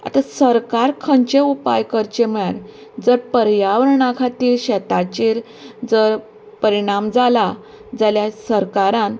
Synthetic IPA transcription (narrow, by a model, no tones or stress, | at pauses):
a̰t̪asəɾkaɾkʰəɲt͡ɕeupajkəɾt͡ɕem̤ɭaɾ | d͡zəɾpəɾjaʋɾɳakʰat̪iːɾɕɛt̪at͡ɕiːɾ | d͡zəɾ | pəɾiɳ̃amd͡zala | d͡zaljasəɾkaɾãn